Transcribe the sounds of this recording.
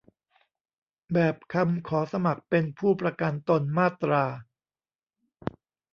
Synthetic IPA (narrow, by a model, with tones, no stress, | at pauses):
bɛː˨˩p̚kʰa˧mkʰɔː˩˦sa˧ma˨˩k̚pe˧npʰuː˥˩pɾa˧ka˧nt̪o˧nmaː˥˩t̪ɾaː˧